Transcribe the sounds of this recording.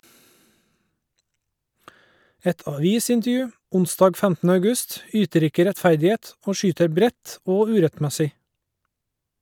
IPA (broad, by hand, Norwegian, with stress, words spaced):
ˈɛt ɑˈʋiːsɪntəˌjʉː ˈʊnˌsdɑːɡ ˈfæmtn̩ə ɑʉˈɡʉst ˈyːtəɾ ˈɪkə ɾɛtˈfæɾdɪˌeːt ˈoː ˈʃyːtəɾ ˈbɾɛt ˈoː ˈʉːɾɛtˌmæsɪ